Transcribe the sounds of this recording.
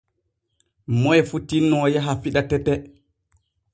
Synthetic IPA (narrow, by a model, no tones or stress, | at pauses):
mɔjɛfutːinːɔjaɦafiɗatɛtːɛ